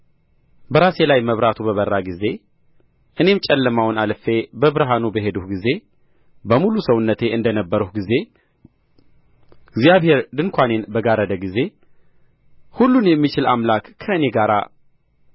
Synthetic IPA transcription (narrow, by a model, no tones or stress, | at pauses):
bəɾaselajməβɾat̪ʰubəβərːaɡize̞ | ʔɨne̞mt͡ʃʼɛlːəmawnalfe̞bəβɨɾɦanubəɦe̞d̪uhɡize̞ | bəmulusəwʊnːət̪ʰe̞ɨnd̪ənəbːəɾuhɡize̞ | ɪɡzijaβhe̞ɾd̪ɨŋkʰʷane̞nbəɡaɾəd̪əɡize̞ | hulːunjɛmːit͡ʃɪlamlakːʰəɨne̞ɡaɾa̰